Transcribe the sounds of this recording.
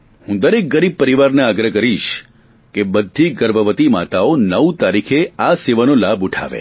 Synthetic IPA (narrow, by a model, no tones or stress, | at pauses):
hũd̪əɾek̚ɡəɾib̚pəɾiʋaɾneaɡɾəkəɾiʃ | kebəd̪ʱːiɡəɾbəʋət̪ima̰t̪aonəwt̪aɾikʰeaseʋanolabuʈʰa̰ʋḛ